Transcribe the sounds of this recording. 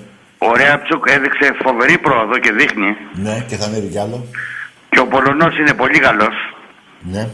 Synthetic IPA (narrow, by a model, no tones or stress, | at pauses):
oɾeɐpt͡sukeðikse̞fo̞ve̞ɾipɾo̞oðo̞ce̞ðixnineceθɐneðicɐlo | ceopo̞lo̞no̞sine̞po̞ʎikɐlo̞s | ne